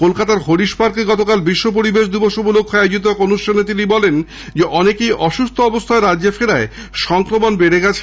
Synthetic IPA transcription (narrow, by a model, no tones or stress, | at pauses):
kolkat̪aɾhoɽiʃpaɾkeɡɔt̪okalbiʃːop̬oɾibeʃ̬d̪ubɔʃobulokʰːaad͡ʑit̪okonuʃʈʰanet̪̬inibɔlen | d͡ʑeʔɔnekejʔɔʃust̪ʰoɔbost̪ʰaeɾadːefeɾae | ʃɔŋkɾomonbeɾeɡɛt͡ɕʰ